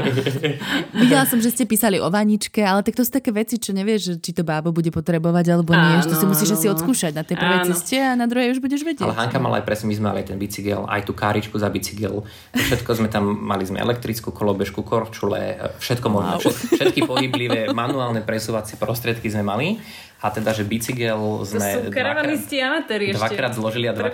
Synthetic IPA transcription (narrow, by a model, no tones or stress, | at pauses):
ʋiɟɛlasɔmʒɛscɛpiːsaliʔɔʋaɲit͡ʃkɛalɛt̪akt̪ɔsuːt̪akɛːʋɛt͡sit͡ʃɔɲɛʋɪɛʒʒɛt͡ʃit̪ɔbaːbɔbuɟɛpɔt̪ɾɛbɔʋaɟalɛbɔnɪɛɛt̪ɔsamusiːʒasiɔt̪skuːʃaɟnat̪ɛjpr̩ʋɛjt͡sɛscɛanad̪ɾuɦɛjuʒbuɟɛʒʋɛɟɪɛalɛɦaŋkama̰la̰ajpɾɛsɲɛmizmɛma̰liajt̪ɛnbit͡siɡɛ̰la̰jt̪uːkaːɾit͡ʃkuzabit͡siɡɛ̰l | t̪ɔfʃɛt̪kɔzmɛt̪amːalizmɛ̰ɛ̰lɛk̚t̪ɾit͡skukɔlɔbɛʃkukɔɾt͡ʃulɛ̰fʃɛt̪kɔmɔʒmɔ̰ɛʃɛt̪kipɔɦibliʋɛmanuaːlnɛpɾɛsuːʋat͡sɪɛpɾɔst̪ɾɪɛt̪kizmɛmali | at̪ɛd̪aʒɛbit͡siɡɛlzmɛaanisciaat̪ɛɾid̪ʋakɾaːd̪zlɔʒiliad̪ʋa